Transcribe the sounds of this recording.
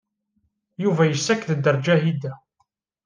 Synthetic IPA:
juvæjəsːækðəd̪ːəɾˤd͡ʒæhid̪æ

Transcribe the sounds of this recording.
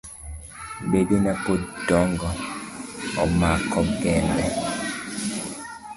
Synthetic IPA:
bedonapodɔŋɡɔ | ɔmakɔɡɛnbɛ

